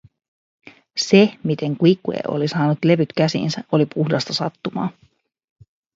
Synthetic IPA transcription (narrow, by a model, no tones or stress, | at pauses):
se̞mit̪e̞ŋkuikːuḛʔo̞̰lisɑːnut̪le̞ʋyt̪kæsḭːnsæʔo̞lipuhdɑst̪ɑsɑt̪ːumɑ̰ːn